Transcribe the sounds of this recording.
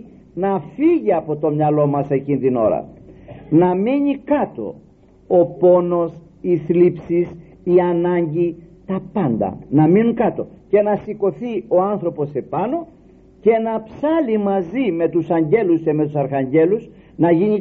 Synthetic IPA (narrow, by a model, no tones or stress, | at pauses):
nɐfiʝiɐpo̞t̪o̞mɲɐlo̞mɐse̞cint̪ino̞̰ɾɐ̰nɐmiɲikɐt̪o̞̰ | opo̞no̞s | iθlipsis | iɐnɐɲɟit̪ɐpɐnd̪ɐ̰nɐminukɐt̪o̞̰ce̞nɐsiko̞θio̞ɐnθɾo̞po̞se̞pɐno̞ | ce̞nɐpsɐlimɐzime̞t̪usɐɲɟe̞lusce̞me̞t̪usɐɾxɐɲɟe̞lus | nɐʝiɲi